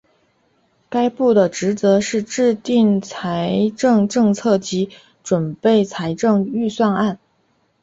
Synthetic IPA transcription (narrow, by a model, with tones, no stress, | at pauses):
ka˥ɪpu˥˩d̪ə˩ʈ͡ʂɻ̩˧˥t͡sɤ˧˥ʂɻ̩˥˧ʈ͡ʂɻ̩˥˧t̪i˥˩ŋt͡sʰa˧˥ɪʈ͡ʂɤ˥˧ŋʈ͡ʂɤ˥˧ŋt͡sʰɤ˥˩t͡ɕi˧˥ | ʈ͡ʂwə˨˩npe˥˩ɪt͡sʰa˧˥ɪʈ͡ʂɤ˥˧ŋy˥˧swa˥˧na˥˩n